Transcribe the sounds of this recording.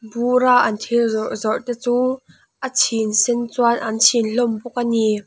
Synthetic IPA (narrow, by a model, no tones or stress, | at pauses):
buraʔɐnt̪ʰirzɔʔzɔrt̪ɛt͡suː | ʔət͡sʰinsɛnt͡suanʔɐnt͡sʰinɬɔmbuk̚ani